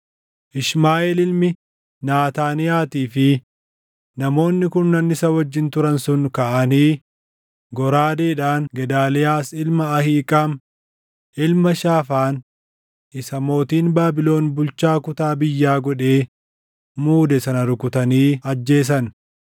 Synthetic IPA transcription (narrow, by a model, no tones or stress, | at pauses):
ʔɪʃmaːʔɛlɪlmɪ | naːt̪aːnɪjaːt̪iːfɪ | nɐmo̞ːnːɪkʊnːɐnːɪsɐwɐd͡ʒːɪnt̪ʊɾɐnsʊnkɐʔɐniː | ɡɔɾaːd̪eːᶑaːŋɡɛd̪aːlɪjaːsɪlmɐːhiːkʼaːm | ʔɪlmɐʃaːfaːn | ɪsɐmo̞ːt̪iːnbaːbɪlo̞ːnbʊlt͡ʃaːkʊt̪aːbɪjːaːɡɔᶑe̞ː | muːd̪ɛsɐnɐɾʊkʊt̪ɐniːɐd͡ʒːe̞ːs̬ɐn